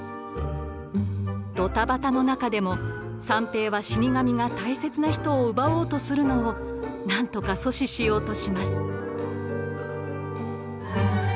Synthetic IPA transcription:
d̪̥o̞t̪abat̪ano̞nakad̪e̞mo̞ | sãmpe̞ːβaɕiɲ̟ʲiɡamʲiɡat̪aise̞t͡sɨnaçi̥t̪o̞ːɯ̟bao̞ːt̪o̞sɨɾɯ̟no̞ː | nãnt̪o̞kaso̞ɕiɕijo̞ːt̪o̞ɕimasɨ̥

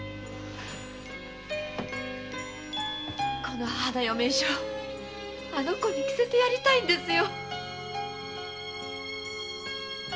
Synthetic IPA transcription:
ko̞no̞had̪ajome̞ɕoː | ano̞ko̞ɲʲiki̥zet̪e̞jaɾʲit̪aĩnd̪e̞sɨjo̞

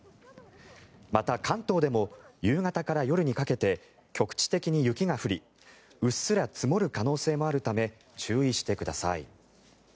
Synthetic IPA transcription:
mat̪akʰãnt̪o̞ːd̪e̞mo̞jɯːŋat̪akaɾajo̞ɾɯ̟ɲ̟ikake̞t̪e̞ | kʲo̞kɯ̟̥t͡ɕi̥t̪e̞kʲiɲ̟ijɯ̟kʲiɡaɸɯ̟ɾʲi | ɯ̟sɨɾat͡sɨmo̞ɾɯ̟kano̞ːse̞ːmo̞aɾɯ̟t̪ame̞ | t͡ɕɨːiɕi̥t̪e̞kɯ̟d̪asa̰ḭ

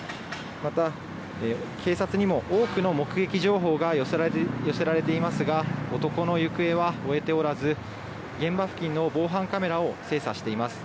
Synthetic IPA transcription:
mat̪a | ekʰe̞ːsat͡sɨɲ̟imo̞ʔoːkɯ̟no̞mo̞kɯ̟ɡe̞kʲiʑo̞ːɦo̞ːɡaojo̞se̞ɾaɾe̞t̪e̞imasɨɡao̞t̪o̞ko̞no̞jɯ̟kɯ̟e̞βao̞e̞t̪e̞o̞ɾazɨ | ɡẽ̞mbaɸɯ̟̥kʲĩnːo̞bo̞ːɦãŋkame̞ɾao̞se̞ːsaɕi̥t̪e̞imasɨ̥

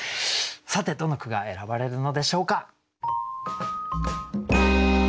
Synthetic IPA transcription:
sat̪e̞d̪o̞no̞kɯ̟ɡae̞ɾabaɾe̞ɾɯ̟no̞d̪e̞ɕo̞ːka

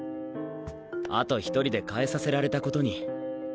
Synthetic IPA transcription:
a̰t̪o̞çi̥t̪o̞ɾʲid̪e̞kae̞sase̞ɾaɾe̞t̪ako̞t̪o̞ɲ̟i

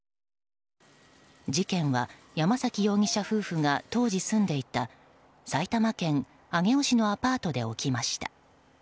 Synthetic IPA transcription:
d͡ʑikẽ̞ɰ̃βa | jamasakʲijo̞ːŋʲiɕaɸɯ̟ːɸɯ̟ŋat̪o̞ːʑisɨ̃nd̪e̞it̪a | sait̪amakẽ̞ŋ | aŋe̞o̞ɕino̞apaːt̪o̞d̪e̞o̞kʲimaɕi̥t̪ḁ̰

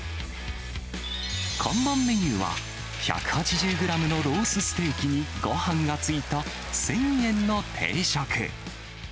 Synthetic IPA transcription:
kʰõ̞mːãmːe̞ɲ̟ɯːβa̰ | ça̰kɯ̟̥hat͡ɕiʑɨːɡɯ̟ɾamɯ̟no̞ɾo̞ːsɨsɨ̥t̪e̞ːkʲiɲ̟iɡo̞hãŋɡat͡sɨit̪a | sẽ̞ŋjẽ̞nːo̞t̪ʰe̞̰ːɕakɯ̰

